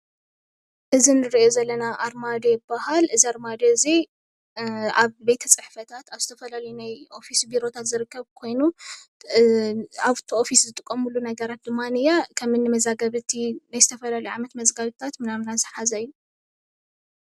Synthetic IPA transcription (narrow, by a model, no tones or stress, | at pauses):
ʔɨzinɨɾiozɐlːɐnaʔaɾmad̪ejɪbahalʔɨziaɾmad̪eɨzi | aβbe̞t̪ʰɐt͡sʼɨħfɐt̪ʰat̪aβzɨt̪ʰɐfɐlalɐjunajʔo̞fisbiɾo̞t̪ʰat̪zɨɾɨkʰːɐβkʰo̞jnu | aβt̪ʰiʔo̞fiszɨt̪ʼɨkʼːɐmulːunɐɡɐɾat̪̚d̪ɨmːanɨjakʰɐmɨnːɨmɐzaɡɐβɨt̪ʰinajzɨt̪ʰɐfɐlalɐjʕa̰mɐt̪mɐzɡaβɨt̪ʰat̪mɨnaβnazɨħazɐjːu